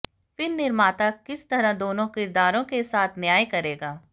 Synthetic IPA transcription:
fɪɾnɪɾmaːt̪akɪst̪ɐɾãd̪oːnõkɪɾd̪aːɾõkesaːt̪ʰnjaːjkɐɾeːɡaː

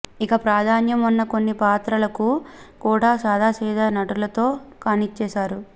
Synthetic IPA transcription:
ikɐpɾaːd̪ʱaːnjɐmunːɐko̞nːipaːt̪ɾɐlɐkukuːɽaːsaːd̪ʱaːsɛːd̪ɐnɐʈulɐt̪o̞ːkaːnit͡ʃːɛːʃaːɾu

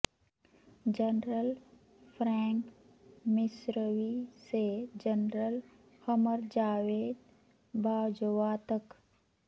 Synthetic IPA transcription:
d͡ʒənɾəl | pʰɾɛ̃ːŋk | mɪsɾəʋised͡ʒənɾəl | həməɾd͡ʒaːʋeːd̪ | baːwd͡ʒəʋaːt̪ək

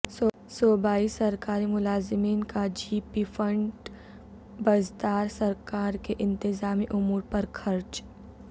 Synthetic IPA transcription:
sɔːbaːisɐɾkaːɾimʊlaːzɪmiːnkad͡ʒiːpifɐ̃ɳɖ | bɐzd̪aːɾsɐɾkaːɾkeʔɪ̃nt̪ɪzaːmiʔʊmuːɾpɐɾxʰɐɾt͡ʃ

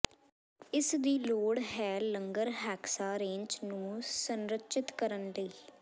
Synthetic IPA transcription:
ɪsd̪iːloːɽɦɛːləŋɡəɾɦɛːksaːɾẽːɲt͡ʃnũːsənɾətt͡ʃɪt̪kəɾənləiː

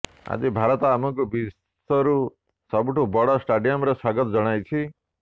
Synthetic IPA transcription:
a̰d͡ʒibʱaɾɔt̪ɔamɔ̃ŋk̬ubis | sɔɾu | sɔbuʈʰubɔɽɔsʈaɖijɔmɾeswaɡɔt̪ɔd͡ʒɔɽ̃ajt͡ʃʰi

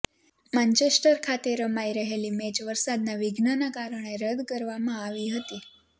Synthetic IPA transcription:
mant͡ɕesʈəɾkʰat̪eɾəmaiɾəɦeliːmed͡ʒʋəɾsad̪naʋiɡʱnənakaɾəɳ̃eɾəd̪kəɾʋamãaʋiɦət̪iː

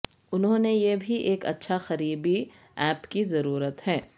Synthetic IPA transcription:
ʊnɦõːnejebʱiʔeːkɐ̰tːʃʰaxɐɾiːbi | ɛːpkizɐɾuːɾət̪ɦɛː

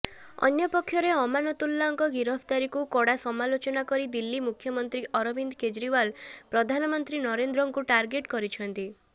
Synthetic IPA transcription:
ɔ̰njɔpɔkʰːjɔɾeɔmanɔt̪ulːaŋkɔɡiɾɔbʰt̪aɾikukɔɽasɔmalot͡ʃɔnakɔɾid̪ilːimukʰjɔmɔnt̪ɾiʔɔɾɔbʱind̪ked͡ʒɾiwalpɾɔd̪ʱanɔmɔnt̪ɾinɔɾend̪ɾɔŋkuʈaɾɡeʈkɔɾit͡ʃʰɔnt̪i

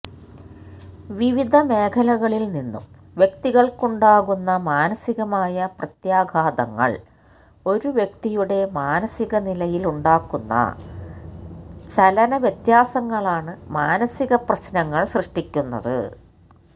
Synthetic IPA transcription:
ʋiʋid̪ʱɐme̞ːkʰɐlɐɣɐɭilninːṵm | ʋjekt̪iɣɐɭkuɳɖaːɣunːɐmaːnɐsiɣɐmaːjɐprɐt̪jaːɡʱaːd̪ɐŋːɐ̰ɭ | o̞ɾuʋjek̚t̪ijuɽe̞maːnɐsiɣɐnilɐjiluɳɖaːkːunːɐ̰ | t͡ɕɐlɐnɐʋjet̪jaːsɐŋːɐɭaːɳɨmaːnɐsiɣɐprɐɕnɐŋːɐɭɕrɨʂʈikʲːunːɐ̰ðɨ̰

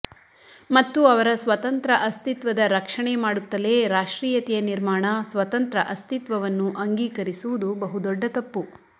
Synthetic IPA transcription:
mɐt̪ːuɐʋɐɾɐsʋɐt̪ɐnt̪ɾɐʔɐst̪it̪ʋɐd̪ɐɾɐkʂɐɳemaːɽut̪ːɐleːɾaːʂʈɾiːjɐt̪ijɐniɾmaːɳɐsʋɐt̪ɐnt̪ɾɐʔɐst̪it̪ʋɐʋɐnːuʔɐŋɡiːkɐɾisuʋud̪ubɐɦud̪ɔɖːɐt̪ɐpːu

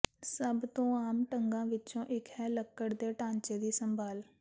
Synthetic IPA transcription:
səbt̪õːaːmʈə̃ŋɡãːʋɪt͡ʃõʔɪkɦɛːləkːəɽd̪eʈãːnt͡ʃed̪iːsə̃mbʱaːl

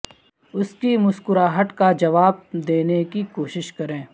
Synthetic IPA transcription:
ʊskimʊskʊɾaːɦəʈkad͡ʒɐʋaːb̚d̪eːnekikoːʃɪʃkɐɾẽː

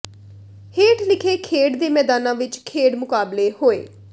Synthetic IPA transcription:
heːʈlɪkʰeːkʰeːɽd̪eːmɛːd̪aːnãːʋɪt͡ʃkʰeːɽmʊkaːbleːhoːḛː

